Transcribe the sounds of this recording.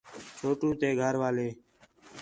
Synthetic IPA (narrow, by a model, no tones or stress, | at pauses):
t͡ʃʰoːʈũːt̪eːɡʱəɾʋaːleː